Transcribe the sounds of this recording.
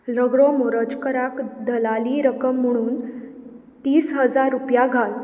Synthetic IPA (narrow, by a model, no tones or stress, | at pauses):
ləɡɭɔmoɾəd͡zkəɾakd̪ʱəlaliːɾəkəm̤ːəɽ̃uːn | t̪iːsɦəd͡zaɾːupjaɡʱal